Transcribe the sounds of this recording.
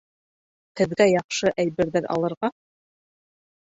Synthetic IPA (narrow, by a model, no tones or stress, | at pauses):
tɘ̆ðɡæjɑqʃɤʔæjβɘ̆ɾðɘɾʔɑ̰lˠɤ̆ɾʁɑ